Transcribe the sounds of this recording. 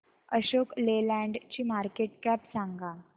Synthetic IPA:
əɕoklelæ̃ɳɖt͡ɕiːmaɾkeʈkæpsãŋɡa

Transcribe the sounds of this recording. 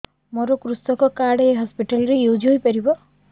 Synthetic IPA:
moɾɔkɾust̪ɔkɔkaɽːɦɔspiʈalɔɾejud͡ʒiɦojpaɾibɔ

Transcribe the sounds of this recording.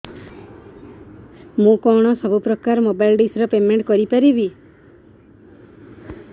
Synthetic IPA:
mũkɔɽ̃ɔsɔbʱupɾɔkaɾmobajlɖisɾɔpemeɳʈkɔɾipaɾibi

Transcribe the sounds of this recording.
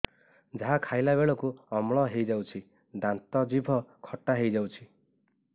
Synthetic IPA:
d͡ʒaɦakʰajlabeɭɔkuɔmɭ̃ɔɦejd͡ʒawt͡ʃʰi | d̪ant̪ɔd͡ʒibʱɔkʰɔʈaɦejd͡ʒawt͡ʃʰi

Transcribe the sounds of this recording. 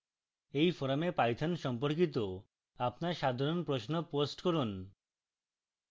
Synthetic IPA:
ejfɔɾamepajt̪ʰanʃɔmpoɾkit̪̬o | apnaɾʃad̪ʱaɾonpɾoʃnoposʈkɔɾun

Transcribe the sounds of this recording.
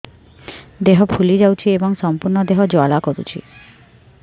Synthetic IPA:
d̪eɦɔpʰulid͡ʒawt͡ʃʰiebɔŋsɔmpuɾɳɔd̪eɦɔd͡ʒoalakɔɾṵt͡ʃʰḭ

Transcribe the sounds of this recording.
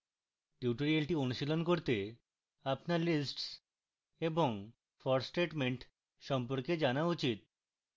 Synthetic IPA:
ʈuʈoɾialʈionuʃilonkoɾt̪e | apnaɾlisʈs | eboŋ | fɔɾsʈeʈmeɳʈ | ʃɔmpoɾked͡ʑanaut͡ɕit̪̚

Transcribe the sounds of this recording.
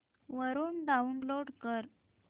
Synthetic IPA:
ʋəɾuːnɖaunloɽkəɾ

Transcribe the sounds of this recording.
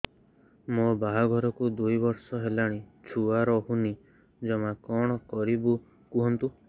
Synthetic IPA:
mobaɦɔɡʱɔɾɔkud̪ujbɔɾsɔɦelaɽ̃it͡ʃʰuaɾɔɦuni | d͡ʒɔmakɔɽ̃ɔkɔɾibu | kuɦɔnt̪u

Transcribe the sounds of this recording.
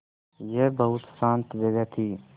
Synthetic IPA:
jebɐɦʊt̪sãːnt̪ʋeɡɛt̪ʰiː

